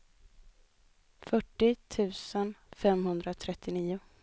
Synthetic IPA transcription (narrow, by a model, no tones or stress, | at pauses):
fœʈːɪt̪ʰʉ̟ːsənfɛmɦɵnd̪ɾat̪ʰɾɛt̪ʰːɪniːʊ